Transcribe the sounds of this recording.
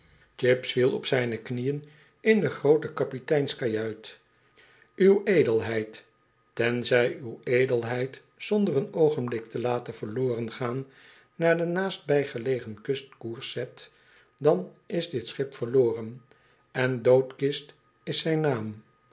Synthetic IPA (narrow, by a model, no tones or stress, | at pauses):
t͡ʃɪpsfilˠɔpsɛjnəknijən | ɪndəχrowtəkɑpitɛjnskajœɥt | ywejdəlˠɦɛjt | tɛnzɛjywejdəlˠɦɛjt | zɔndərənowχənblɪk̚təlaːtənv̥əloːrənχaːnː | aːɹdənaːst̚bɛjχəlejχənkɵst̚kuɹsɛt | dɑnɪzdɪtsχɪpfəɹloːrən | ɛndowtkɪst | ɪsɛjnaːm